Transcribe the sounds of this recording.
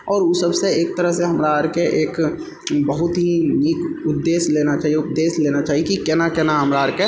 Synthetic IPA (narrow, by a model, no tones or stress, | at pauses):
ɔːɾusəbseeːk̚t̪əɾəɦseɦəmɾaːɾkeʔeːk | bəɦʊt̪ɦinikʊd̪ːeːsleːnat͡ʃaːɦijeʊpd̪eːsleːnat͡ʃaːɦiekikɛːnakɛːnaɦəmɾaːɾke